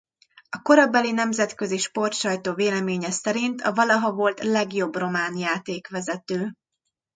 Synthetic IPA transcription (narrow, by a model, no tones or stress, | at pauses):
ɒko̞ɾɒbɛlinɛmzɛt̪kø̞ziʃpo̞rt̪ʃɒjt̪oːveːlɛmeːɲɛsɛɾint̪ʰɒvɒlɒɦɒvo̞lt̪lɛɡjo̞bro̞maːnjaːt̪eːkʋɛzɛt̪øː